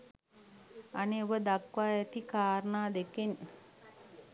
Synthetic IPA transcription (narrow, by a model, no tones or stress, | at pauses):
aneoʋəd̪akʋaːɛt̪ikaːɾənaːd̪eken